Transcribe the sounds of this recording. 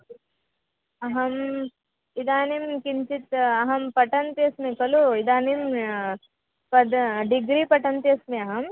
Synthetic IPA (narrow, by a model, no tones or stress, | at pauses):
ɐɦɐm | id̪aːnimkint͡ʃit̪ɐɦɐmpɐʈɐnt̪iɐsmekɐluid̪aːnim | pɐd̪ɖiɡɾiːpɐʈɐnt̪iɐsmeɐɦɐm